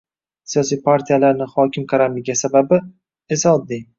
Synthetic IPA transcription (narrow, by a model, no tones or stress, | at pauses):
sijɒs̬ijpʰaɾt̪ʰijalaɾnɪhɒkʲʰɪmkʰaɾamɪɡʲasababɪ | esaɒd̪ːɪ